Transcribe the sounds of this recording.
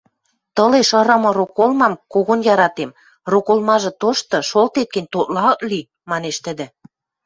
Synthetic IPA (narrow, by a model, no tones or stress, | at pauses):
t̪ɤ̆leʃɤ̆ɾɤ̆mɤ̆ɾokolmɑmkoɣonjɑɾɑt̪em | rokolmɑʒɤ̆t̪oʃt̪ɤ̆ʃolt̪et̪̚kə̆nʲt̪ot̪̚lɑɤk̪li | mɑneʃt̪ə̆d̪ɘ̆